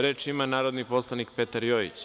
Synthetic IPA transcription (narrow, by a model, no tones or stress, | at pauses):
ɾe̞ːt͡ʃimanaːɾo̞d̪nipo̞slˠanik̚pe̞t̪aɾjoːḭt͡ɕ